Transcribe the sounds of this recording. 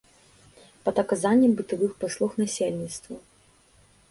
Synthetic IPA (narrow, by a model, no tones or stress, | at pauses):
pɐd̪ɐkazanʲːɛmbɨt̪avɨxpaslˠuxnasʲelʲnʲit̪st̪vu